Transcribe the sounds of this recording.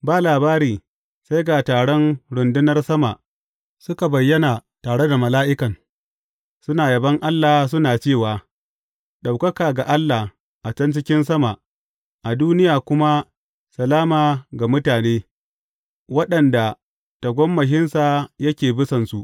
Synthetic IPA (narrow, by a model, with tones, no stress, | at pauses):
baː˨laː˨baː˦ɾiː˨ | sa˦jɡaː˨taː˨ɽɔ˦nɽʊ˨ndɪ˦nɐ˦rsɐ˦ma˨ʔ | sʊ˦ka˨bɐ˨jːɐ˦na˨taː˨ɽe˦da˨mɐ˨laː˦ʔɪ˦kɐ˨ŋ | sʊ˦naː˨jɐ˨bɐ˦ŋʔa˦lːa˨hs̬ʊ˦naː˨t͡ʃeː˦˨waː˨ | ɗa˨wkɐ˦kaː˨ɡa˨ʔa˦lːa˨ | ʔa˨t͡ʃɐ˦nt͡ʃɪ˦kʲɪ˦nsɐ˦ma˨ʔ | ʔa˨duː˦nɪ˦jaː˨kʷʊ˦ma˦ | sɐ˨laː˦maː˨ɡa˨mʊ˦taː˨neː˦ | wɐ˦ɗɐ˨nda˨ | ta˨ɡʷɔ˦mːɐ˨ʃɪ˦nsa˨jɐ˦kʲeː˨bɪ˦sɐ˨nsu˦ʔ